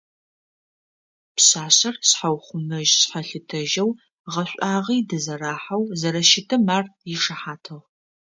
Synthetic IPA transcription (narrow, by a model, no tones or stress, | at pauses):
pɕaːɕɐrsħawχʷʊmɐʒɕħɐɬɨtʰɐʒɐw | ʁɐɕʷʼaːʁiːdɨzɐraːħɐwzɐɾɐʃɪtʰɐmaːrjɪʂɐħaːtʰɐʁ